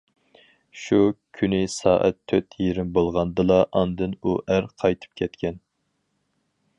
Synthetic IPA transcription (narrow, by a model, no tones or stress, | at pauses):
ʃukʲʰynɪsɑːʔɛ̰t̪ʰːøt̪ʰjeɾɪmbolˠʁɑnd̪ɨlˠɑʔɑnd̪ɨnuʔæɾqʰɑjt̪ʰɨ̥p̚kʲʰɛt̪kʲɛn